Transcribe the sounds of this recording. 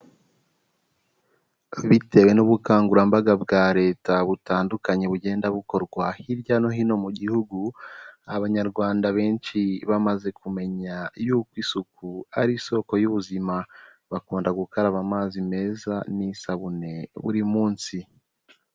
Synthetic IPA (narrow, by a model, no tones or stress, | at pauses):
βite̞we̞nuβukaːŋɡuɾambaɡabɡaːɾe̞ːtaβutaːndukaɲeβuɟe̞ːndaβuko̞ɾɡwahiɾɟano̞hino̞muɟihuɡuaβaɲaɾɡwaːndaβe̞ːnʃiβamaze̞kume̞ɲajuːkwisukuaɾiso̞ko̞juβuzima | βakuːndaɡukaɾaβamaːzime̞ːzanisaβune̞βṵɾimuːnsi